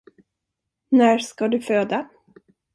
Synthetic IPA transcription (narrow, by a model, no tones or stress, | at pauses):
næːskad̪ɵføːd̪a